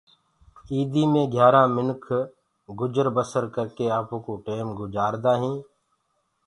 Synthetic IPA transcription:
iːd̪iːmẽːɡʱjaːɾãːmɪnkʰ | ɡʊd͡ʒəɾbəsəɾkəɾkeːaːpõːkoːʈeːmɡʊd͡ʒaːɾd̪aːɦĩː

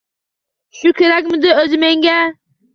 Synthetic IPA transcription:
ʃʊkʲʰeɾakʲmɪd̪ɪøzɪmeŋɡʲæ

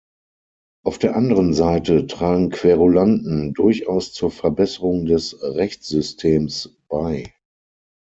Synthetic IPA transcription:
ʔaʊfd̥eːɐʔandəʁənzaɪtətʁ̥aːɡŋ̩kv̥eːʁolandn̩dʊɐçaʊst͡suːɐfɛɐbɛsəʁʊŋdɛsʁɛçt͡sz̥ʏstʰeːms | b̥aɪ

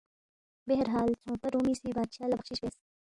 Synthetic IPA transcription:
beɦɾɦaːlt͡ʃʰõːpɐɾuːmiːsiːbaːd̪ʃaːlɐxʃiʃbeːs

